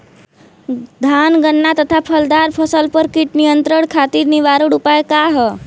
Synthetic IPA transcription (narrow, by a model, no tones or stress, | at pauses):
d̪ʱanɡənːat̪ət̪ʰapʰəld̪aɾpʰəsəlpəɾkiʈnijənt̪ɾəɳkʰat̪iːɾniʋaɾəɽupajkaɦə